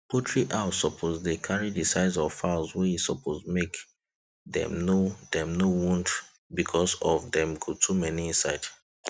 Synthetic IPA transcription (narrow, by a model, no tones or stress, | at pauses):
pʰotʰɹiʔaʊsɔpʰozdekʰaɹidisaɪzɔfaɪlswɛisɔpʰozmek | dɛ̰̃mnodɛ̃mnowũnd | bikʰɔsɔvdɛ̃mɡotʰumɛniĩnsaɪd